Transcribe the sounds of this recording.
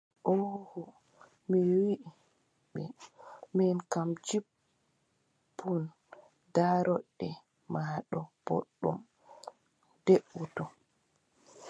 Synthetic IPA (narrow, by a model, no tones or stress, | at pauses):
ʔɔhɔ | miwiʔ | ɓɛmɛnkamd͡ʒib | un | daɾɔɗːɛ | maɗɔb̥ɔ̰ɗːɔ̰m | deɓːutɔ